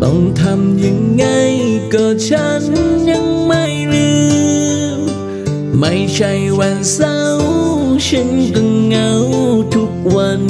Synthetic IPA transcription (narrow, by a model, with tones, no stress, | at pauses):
kɔ̰˧˩ŋ͡mt̪ʰa˧mɲɨ˧˥ŋːa˧˩jkɔ˧t͡ɕa˧nɲa˧˥ŋma˧˩jɾɨ˧ | ma˧˦jt͡ɕa˧jwa˧nsa˧wsɨ˧˦ŋkɨ˧˩ŋːa˧˦wt̪ʰʊ˧˦k̚wa˧n